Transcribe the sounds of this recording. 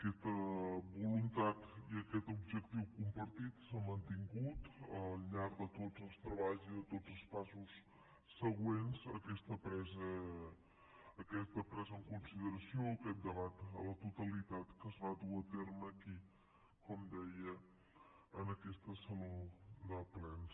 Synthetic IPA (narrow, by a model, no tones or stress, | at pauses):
əkɛst̪əbulunt̪at̪iəkɛt̪ubʒək̚t̪iwkumpəɾt̪it̪səmənt̪iŋɡut̪əlʎaɾd̪ət̪ozəlˠst̪ɾəβaʎziðət̪od͡zəlˠspasus | səɣwenzə̰kɛst̪əpɾɛzə | əkɛst̪əpɾɛzəŋkunsiðəɾəsioəkɛt̪̚d̪əβat̪ə̰lət̪ut̪əlit̪at̪kəzβaðuət̪eɾməːki | kɔmd̪ɛjə | ənəkɛst̪əsənod̪əplɛns